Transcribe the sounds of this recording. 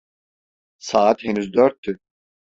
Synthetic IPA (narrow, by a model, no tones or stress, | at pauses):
saːt̪henyzd̪øɾt̪ʰːy